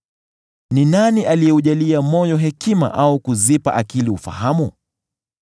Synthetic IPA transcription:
ninaniʔalijɛuʄaliamɔjɔɦɛkima̰ʔaukuzipa̰ʔakiliufa̰hamu

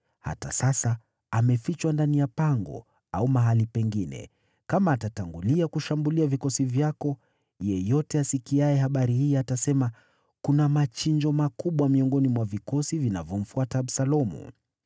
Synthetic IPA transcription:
ha̰ta̰sasa | amɛfit͡ʃwandanijapaŋɡɔ̰ | aumaɦalipɛŋɡinɛ̰ | kamaːtataŋɡuliakuʃambuliavikɔsivjakɔ | jɛjɔtɛasikiaɛɦaɓaɾihiːatasɛma | kunamat͡ʃiɲd͡ʒɔmakuɓwamiɔŋɡɔnimwavikɔsivinavjɔm̩fuataːbsalɔmṵ

